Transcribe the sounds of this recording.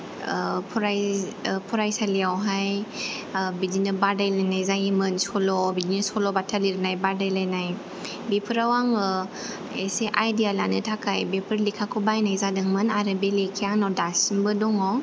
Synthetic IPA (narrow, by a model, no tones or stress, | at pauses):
pʰɾajpʰuɾajsaliawɦaj | bid͡ʒinɯbadajlajnajzajimɯnsɔlɔbidinɯsɔlɔbatʰaliɾnajbadajlajnaj | bipʰɯɾawaŋɯ | eseʔajdialanɯtʰakʰajbepʰɯɾlikʰakʰubajnajzadɯŋmɯnaɾɯbelekʰiaŋnɔdasmbɯdɔŋɔ